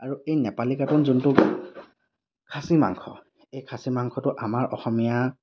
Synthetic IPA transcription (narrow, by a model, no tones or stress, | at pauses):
aɹuejnɛpalikatɔnzuntʊk | kʰasima̰ŋkʰɔ̰ | ejkʰasimaŋkʰɔtʊʔamaɹʔɔxɔmija